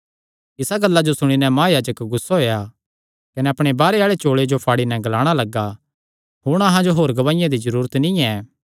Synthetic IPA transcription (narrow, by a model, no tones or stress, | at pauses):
ɪsaɡɐlːad͡ʒosʊɽ̃inɛ̃mãːjaːd͡ʒəkɡʊsːaɦoːja | kɐnɛɐpɽ̃ebaːɾeaːɭet͡ʃoːɭed͡ʒopʰaːɽinɛ̃ɡɐlaːɽ̃alɐɡːa | ɦʊɽ̃ɐɦãd͡ʒoɦoːɾɡɐʋaːɪjãd̪izɐɾuːɾət̪nɪ̃ɛː